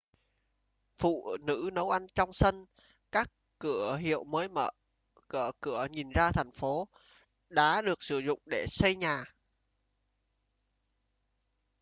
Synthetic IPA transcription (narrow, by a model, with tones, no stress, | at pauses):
fṵ˧˨nɨ̰˧˥nə˨˦wʔa˧jnt͡ɕɔ˧wŋ͡msə˧n | kaː˦˥kː | ɨ˧˩əɦḭ˧˨əwməː˨˦jmə̰ː˧˩ | kɨ˧˩əkɨ˧˩əɲi˨˩nzaː˧t̪ʰɛ˨˩jŋ̟fo˨˦ | ɗa̰ː˨˧˥ɗɨ˨˩ək̚sɨ˧˩zʊ̰˧˨ŋ͡mɗe˧˩sə˧jɲaː˨˩